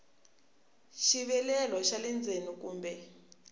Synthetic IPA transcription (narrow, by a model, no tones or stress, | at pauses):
ʃiβɛlɛlɔʃalɛnd͡zʱenikuːmbɛ